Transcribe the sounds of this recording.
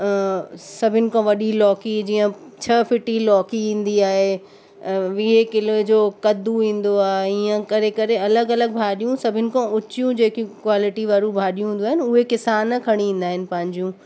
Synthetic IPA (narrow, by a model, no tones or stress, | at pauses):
sɐbʱɪnɪ̆kʰãʋɐɗilɔːkid͡ʑiːə̃t͡ɕʰɐfɪʈilɔːkiĩːn̆d̪iaːɦe | ʋɪɦekɪled͡ʑoːkɐd̪uʋĩːn̆d̪oaːɦeiːə̃kɐɾekɐɾeɐləɡɐləɡ̚bʱaːɗijũsɐbʱɪnɪ̆kʰãʊt͡ɕijũd͡ʑeːkikwaːlɪʈiʋaːɾũbʱaːɗijũɦũnd̪uaːɦɪnʊɦekɪsaːnkʰɐɽ̃iĩːn̆d̪aːɦɪnɪ̆pɐ̃ɦɪ̃ɲd͡ʑijũ